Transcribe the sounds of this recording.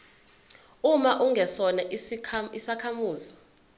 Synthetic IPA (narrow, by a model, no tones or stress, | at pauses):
umaʔuŋɡʱɛsɔnaisakʰamuːzi